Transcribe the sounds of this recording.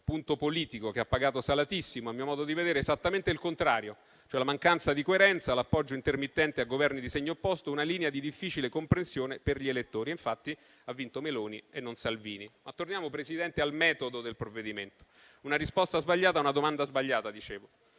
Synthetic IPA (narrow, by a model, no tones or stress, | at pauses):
punt̪opoliːt̪ikokeapːaɡaːt̪osalat̪isːimoamiːomɔːd̪od̪ived̪eːɾeːzat̪ːament̪eilkont̪ɾaːɾjo | t͡ʃoɛlamaŋkant̪sad̪ikoeɾɛnt̪salapːɔd͡ʒːoint̪ermit̪ːɛnt̪eaɡovɛrnid̪iseɲːoopːɔst̪ounaliːnead̪id̪ifːiːt͡ʃilekompɾensjoːneperʎielet̪ːoːɾieɱfat̪ːi | avːint̪omeloːnienːonsalviːnimat̪ːornjaːmopɾesid̪ɛnt̪ealmɛːt̪od̪od̪elpɾovːed̪iment̪o̥ | unaɾispɔst̪azbaʎːaːt̪aunad̪omand̪azbaʎːaːt̪ad̪it͡ʃeːvo